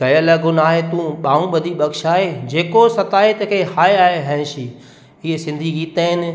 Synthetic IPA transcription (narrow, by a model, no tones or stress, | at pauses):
ɡɐjəlɐɡʱonaːɦet̪ũɓaːũɓɐd̪ʱiɓɐɡʃaːɦed͡ʑeːkosɐt̪aːɦet̪ɐkʰehaːeaːɦeɦɛ̃ːʃiː | ɪɦesɪ̃nd̪ʱiɡiːt̪əːɦɪnɪ̆